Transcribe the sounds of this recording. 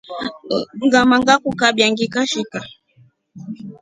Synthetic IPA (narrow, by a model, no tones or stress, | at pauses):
ŋɡamaŋɡakukaɓjaŋɡikaʃika